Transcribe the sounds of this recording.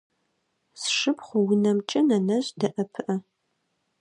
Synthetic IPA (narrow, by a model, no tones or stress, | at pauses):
sʂɨpχʷʊwʊnɐmt͡ʃʼɐnɐnɐʑdɐʔɐpʰɨʔɐ